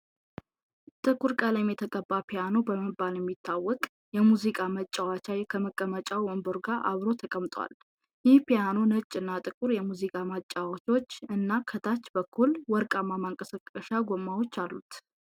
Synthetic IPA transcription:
t̪ʼɨkʼuɾkʼələmjɛt̪ʰəkʼəbːapʰijanobəməbaljɛmːit̪ʰːawːɔkʼ | jɛmuzikʼamət͡ʃʼːawat͡ʃajkʰəməkʼəmət͡ʃʼawwɔmbəɾɡaʔa̰βɾo̞t̪ʰəkʼəmt̪ʼwa̰l | jɪhpijanonət͡ʃʼːɨnːat̪ʼɨkʼuɾjɛmuzikʼamət͡ʃʼːawat͡ʃo̞t͡ʃːɨnːakʰət̪ʰat͡ʃːbəkʰːulwɔɾkʼamamaŋkʼəsəkʼːəʃaɡomːawot͡ʃːalːut̪

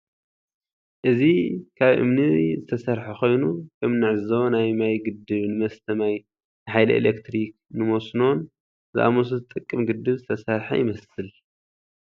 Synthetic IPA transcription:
ʔɨzikʰaβʔɨ̰mnizɨt̪ʰɐsɐɾħaxo̞jnukʰɐmnɨʕɨzɐwnajmajɡɨd̪ɨβnɨmɐst̪ʰɐmaj | nɨħajlɐ̰ʔḛlekt̪ɾik̚nɨmosno̞n | zɨ̰ʔa̰mos̬uzɨt̪ʼɨkʼːɨmɡɨd̪ːɨβzɨt̪ʰɐsɐɾħa̰jɪmɐsɨl

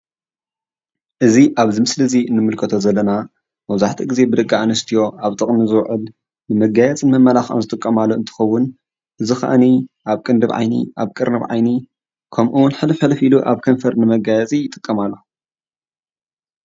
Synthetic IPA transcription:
ʔɨziʔaβzimɨslɨziɨnːɨmɨlkʰɐt̪ʰozɐlːɐna | mɐβzaħt̪ʰiɡize̞bɨd̪ɐkʼːaanɨst̪ʰijo̞ʔaβt̪ʼɨχʼnizɨwʕʔɨl | nɨmɐɡajɛt͡sʼɨnmɐmːɐlaxɐ̰mzɨt̪ʼɨkʼːɐmalːoɨnt̪ʰɨ̥xɐwːʊn | ʔɨzɨxɐ̰ʔa̰niʔaβkʼɨnd̪ɨβʕa̰jnḭʔaβkʼɨɾnɨβʕa̰jni | kʰɐmʔuwʊnħɨlɨħɐlfiluʔaβkʰɐnfɐɾnɨmɐɡajɛt͡sʼijɪt̪ʼːɨkʼːɐmalːo

